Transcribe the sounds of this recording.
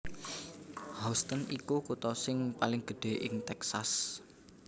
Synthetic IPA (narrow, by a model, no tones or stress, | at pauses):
hɔst̪ənikukut̪ɔsɪŋpalɪŋɡ̥ə̤ɖ̥e̤ʔɪŋt̪ɛksas